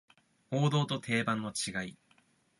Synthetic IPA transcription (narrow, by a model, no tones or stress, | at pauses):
o̞ːd̪o̞ːt̪o̞t̪ʰe̞ːbãnːo̞t͡ɕiɡai